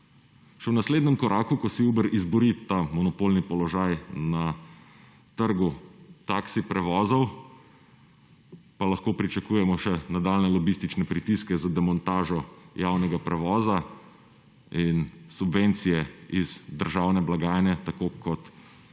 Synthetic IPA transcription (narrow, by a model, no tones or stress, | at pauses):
ʃɛwnasleːd̪nɛmkɔɾʔaːkukɔsiuːbəɾizbɔɾit̪amɔnɔpolnipɔlɔʒaːjna | t̪əɾɡut̪aksipɾɛʋɔːzɔw | palaxkoːpɾit͡ʃakuːjɛmɔʃɛnad̪alnɛlɔbist̪it͡ʃnɛpɾit̪iskɛzad̪ɛmɔnt̪aːʒɔjawnɛɡapɾɛʋɔːza | insubvent̪sijɛizd̪əɾʒaːwnɛblaɡaːjnɛt̪akoːkʰɔt̪